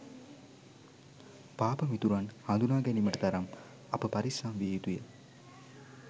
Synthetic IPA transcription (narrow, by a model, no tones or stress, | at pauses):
paːpəmit̪uɾanhand̪unaːɡɛniməʈət̪ɐɾam | ɐpəpaɾisaːmʋieit̪ujə